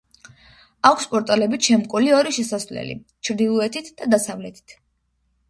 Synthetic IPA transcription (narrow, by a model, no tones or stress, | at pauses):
akʷʰspʼɔɾt̪ʼalɛbit͡ʃʰɛmkʼuliɔɾiʃɛsasvlɛ̰lḭ | t͡ʃʰɾd̪ilˠuɛt̪ʰit̪ʰd̪̥ad̪asavlɛt̪ʰi̥t̪ʰ